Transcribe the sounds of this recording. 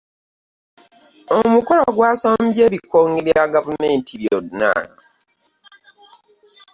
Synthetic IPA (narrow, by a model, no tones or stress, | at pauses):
omuko̞laɡwaːsaːmbjeːβikːoːŋɡiβjaɡavumeːntʰiβjoduna̰ːna